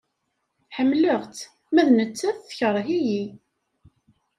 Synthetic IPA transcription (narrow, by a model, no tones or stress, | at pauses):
ħəmləʁt̪ | mæðnət͡sːæθθçəɾˤɦiji